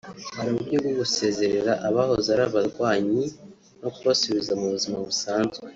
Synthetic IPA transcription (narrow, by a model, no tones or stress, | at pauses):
haɾimubɟoɡwoɡuse̞ːze̞ɾe̞ɾaʔaβaho̞zaɾaβaɾɡwaːɲi | no̞kuβasuβizamuβuzimaβusaːnzɡwe